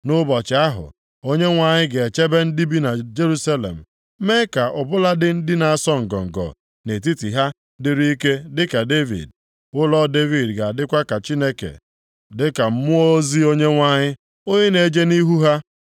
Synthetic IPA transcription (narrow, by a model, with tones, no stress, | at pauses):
nʊ˦bɔ˨t͡ʃɪ˨a˦ɦʊ̰˨ | o˦ɲe˦ŋʷa˨ɲɪ˦ɡe˨e˨t͡ʃe˦be˦n̩˦di˦bi˦na˨d͡ʒe˦ɾu˦sa˦lḛ˨m̩˨˦ | me˦ka˨ʔʊ˨bʊ˦la˦dɪ˦n̩˦dɪ˦na˨a˦˨sɔ˦ŋ̩˨ɡɔ̰˨ŋ̩˨ɡɔ̰˨ | ne˨t̬i˦ti˨ɦa˦ | dɪ˦ɾi˦ke˦dɪ˦ka˨de˦vḭ˨d̚ | ʊ˦lɔ˦de˦vi˨dɡa˨a˨dɪ˦kʷa˦ka˨t͡ʃi˦ne˦kḛ˨ | dɪ˦ka˨m̩˦mʊ˦o˦zi˦o˦ɲe˦ŋʷa˦ɲɪ˦ | o˦ɲe˦ne˨d͡ʒe˦ni˦ɦu˦ɦa˦